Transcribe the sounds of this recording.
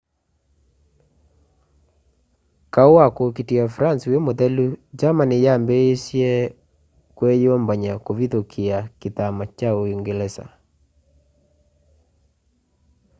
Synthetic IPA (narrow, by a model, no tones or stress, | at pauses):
kaowakokitiafɾansujemoðɛlud͡ʒamanijambeesjɛ | kwɛjɔmbaɲakoviðokʰiakitamat͡ʃaoiŋɡelɛsa̰